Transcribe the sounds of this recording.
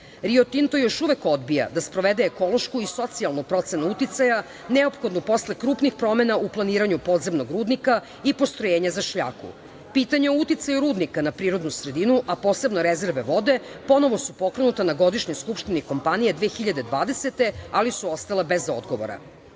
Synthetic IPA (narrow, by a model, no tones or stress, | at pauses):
ɾiot̪int̪o̞jo̞ʃuʋe̞ko̞d̪bija̰d̪aspɾoʋed̪eːko̞lo̞ʃkuiso̞t̪sialˠnupɾo̞t̪se̞nuut̪it̪saja | neopxo̞d̪nopo̞slekɾuːpnixpɾo̞me̞nauplˠaniːɾaɲupo̞d̪zemno̞ɡɾuːd̪nika | ipo̞st̪ɾojeːɲazaʃʎa̰ːkṵ | piːt̪aɲeout̪it̪sajuɾuːd̪nikanapɾiːɾo̞d̪nusɾe̞d̪inuʔapo̞ːse̞bnoɾeze̞ɾʋeʋo̞d̪e̞po̞no̞ʋosupo̞kɾe̞nut̪anaɡo̞d̪iʃɲojskupʃt̪iniko̞mpanijed̪ʋeːxiʎad̪e̞d̪ʋaːd̪e̞set̪e̞alisuo̞st̪alebe̞zo̰d̪ɡoʋo̰ɾa̰